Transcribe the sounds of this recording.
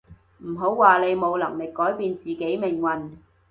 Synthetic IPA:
m̩˨˩ɦo˨˥wwaː˨le˨˧jmo˨˧wlɐ˨˩ŋmlɪ˨kːɔː˨˥jpiː˧nt͡siː˨ke˨˥jmɪ˨˩ŋwɐ˨n

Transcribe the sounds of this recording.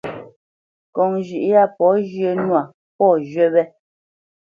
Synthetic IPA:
kɔ˨ŋʒʉ˨ʔja˦˨pɔ˨˦ʒe˦nwa˨ | pɔ˦˨ʒɥɛ˦bɛ˦

